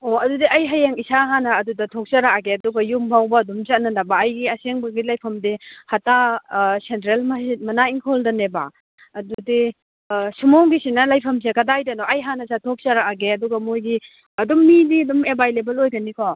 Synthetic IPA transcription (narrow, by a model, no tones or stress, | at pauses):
oɐdudiɐjɦajeŋisaɦanɐːdudɐtʰok̚sɐɾakaɡeɐduɡɐjumbʱawbɐːdumt͡ʃɐt̚nɐnɐbɐɐjɡiɐseŋbɐɡilajpʰɐmdihatasentɾelmɐsit̚mɐnaiŋkʰoldɐnebɐ̰ | ɐdudi | sumoŋɡisinɐlajpʰɐms̬ekɐdajdɐnɔʔɐjɦanɐsatʰok̚sɐɾakaɡeɐduɡɐmojɡi | ɐdumːidiɐdumebajlebɐlojɡɐnikʰɔ